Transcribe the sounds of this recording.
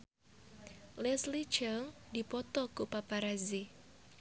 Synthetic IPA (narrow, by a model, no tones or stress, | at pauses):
lɛslit͡ʃəŋdipɔt̪ɔkupapaɾazi